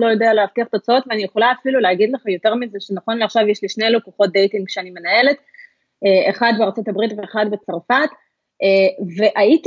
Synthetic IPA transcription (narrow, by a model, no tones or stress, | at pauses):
lo̞jo̞dealeaftiaχt̪ot͡sao̞tveanijeχo̞laːfilulehaɡidle̞χajo̞te̞ʁmizeʃenaχo̞nleaχʃavjeʃliʃnejlokuχo̞t̚d̪ejtiŋɡʃeanime̞nae̞let | eeχadbeaʁt͡so̞tabʁitve̞eχadbe̞t͡saʁfat | eve̞ʔait